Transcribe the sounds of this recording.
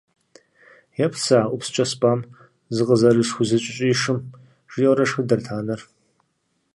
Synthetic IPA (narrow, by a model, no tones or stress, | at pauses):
jɛpʰsaːʔʷʊpst͡ʃʼɐspʼaːm | zɨqʼəzɐɾɨʂxʷʊzɨt͡ʃʼɪɕʼɪːʂɨm | ʒ̥ɪjɛwɾɐʂxɨdɐrtʰaːnɐr